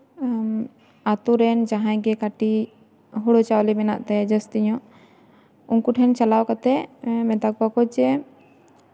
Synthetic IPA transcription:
at̪uɾɛnd͡ʒaɦãjɡɛkaʈi | ɦuɽɔt͡ʃawlibɛna̰ʔt̪ɛd͡ʒəst̪iɲɔʔ | unkuʈʰɛnt͡ʃalawkat̪ɛmɛd̪ak̚bakɔd͡ʒɛ

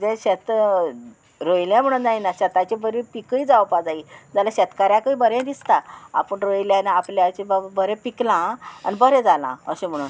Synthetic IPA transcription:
d͡zẽɕet̪ | ɾojljãm̤əɽ̃uːnd͡zainaɕɛt̪ãt͡ɕebəɾipikəid͡zawpad͡zaid͡zalaɕɛt̪kaɾjãkəibəɾẽd̪ist̪aa̰pəɳɾojljanaapljat͡ɕebbəɾẽpiklãa̰nibəɾẽd͡zalã̰ə̰ɕem̤əɽ̃uːn

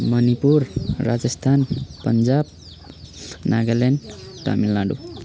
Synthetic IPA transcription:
mʌnipurːad͡zʌst̪ʰanpʌnd͡zab̚ | naɡʌlenɖʈa̰milːaɖṵ

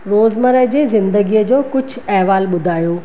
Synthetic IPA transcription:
ɾoːzmɐɾəɦd͡ʑeːzɪ̃nd̪əɡiəd͡ʑoːkʊd͡ʑʱʰɛɦʋaːlɓʊd̪ʱaːjoː

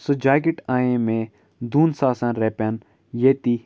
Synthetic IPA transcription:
sod͡ʒaːɡɪʈaːẽmẽ | d̪uːnsaːsãnɾeːpʲan | jeːt̪i

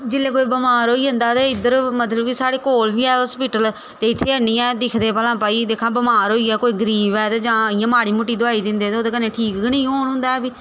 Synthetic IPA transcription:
d͡ʒɪlːeːkoːiːbəmaːɾɦoːiːʊ̃nd̪aːt̪eɪd̪əɾmət̪ləbkɪsaːɽeːkoːlbiːɛːʊspɪʈəl | t̪eːɪt̪ʰːeːəniːɛːd̪ɪkʰd̪eːpəlãːpaːiːd̪eːkʰãːbəmaːɾoːiːɛːkoːiːɡəɾiːbɛːt̪ed͡ʒãːɪjãːmaːɽiːmʊʈːiːd̪ʊaːiːd̪ɪ̃nd̪eːt̪ːoːd̪eːkəneːʈʰiːkɡnĩːɦoːɳɦʊ̃nd̪aːɛːbiː

